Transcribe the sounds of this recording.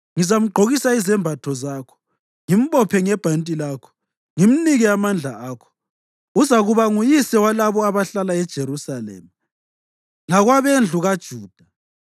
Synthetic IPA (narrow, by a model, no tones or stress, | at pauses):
ŋizam̩ɡ͡ǃʱoɣisaizɛmbʱatʰɔzaːkʰɔ̥ | ŋim̩pʼɔpʰɛŋɛb̥ʱantʼilaːkʰɔ̥ | ŋim̩niɣiamand͡ɮʱaaːkʰɔ̥ | uzaɣuβaŋujisɛwalaβɔaβaɬalaɛd̥ʒ̥ʱeɾusalɛ̰ːma | laɣwaβend͡ɮʱuɣad̥ʒ̥ʱuːd̥ʱa